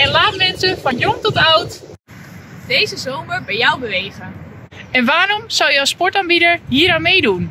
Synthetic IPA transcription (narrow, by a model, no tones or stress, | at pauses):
ɛnlaːtəmɛnsəfɑnjɔmtɔtawt | d̥ejzəzowməɹbɛjɔwbəʋejχən | ɛnʋaːɾɔmsɔwjəɑspɔɹtaːnbidəɹɦiːɾanmejdun